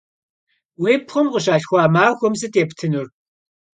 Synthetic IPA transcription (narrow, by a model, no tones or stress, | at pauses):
weːpχʷɔmqəʃaːɬxʷɑːmaːxʷɔmzɨtʰʼeːptʰɨnur